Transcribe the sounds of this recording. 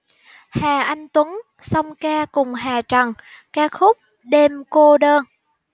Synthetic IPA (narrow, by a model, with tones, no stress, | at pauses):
haː˨˩ʔa˧jŋ̟t̪wə˨˦ŋ | sə˧wŋ͡mkaː˧kʊ˨˩ŋ͡mɦaː˨˩t͡ɕa˨˩ŋkaː˧˥kxʊ˦˥k͡p̚ | ɗe˧mko˧ɗəː˧n